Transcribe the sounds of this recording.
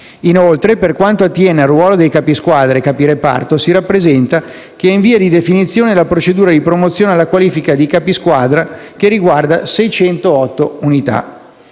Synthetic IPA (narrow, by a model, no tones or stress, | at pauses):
inolt̪ɾeperkwant̪oat̪ːjɛːnearːwɔːlod̪ejkaːpiskwaːd̪ɾekaːpiɾepa̰rt̪osiɾapːɾezɛnt̪a | k̟eiɱviːad̪id̪efinit̪sːjoːnelapɾot͡ʃed̪uːɾad̪ipɾomot̪sːjoːnealːakwaliːfikad̪ikaːpiskwaːd̪ɾakerːiɡward̪asɛjt͡ʃɛnt̪oɔt̪ːounit̪a̰